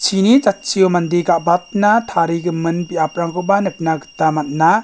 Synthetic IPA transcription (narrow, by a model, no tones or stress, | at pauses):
t͡ʃʰinit͡ʃat̚t͡ʃiɔmandiɡaʔbat̪̚natʰaɾiɡɯmɯnbiʔapɾaŋkʰɔbanɯk̚naɡɯ̥tːamat̚na